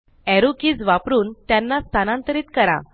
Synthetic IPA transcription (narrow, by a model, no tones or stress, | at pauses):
ɛɾukiːd͡zʋapɾuːnt̪janːast̪ʰanãnt̪əɾiːt̪kəɾa̰